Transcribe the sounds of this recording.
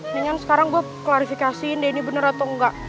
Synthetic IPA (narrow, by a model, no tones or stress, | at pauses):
diŋansə̥kaɾaŋɡua | klaɾifikasiːndainibənəɾat̪ɔŋɡaʔ